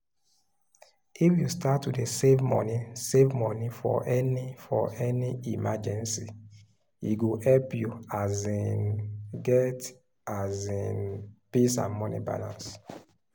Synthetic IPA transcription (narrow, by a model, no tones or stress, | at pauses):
ifjustatwidesevmɔ̰nisevmɔnifɔ̰ʔɛnifɔʔɛniimad͡ʒɛ̃nsi | iɡuhɛlpjuazinɡɛt | azĩnpisã̰nmɔnḭba̰lã̰ns